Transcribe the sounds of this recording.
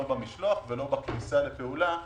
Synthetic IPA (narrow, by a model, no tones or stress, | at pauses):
obamiʃlo̞aχvelobaknisalepeula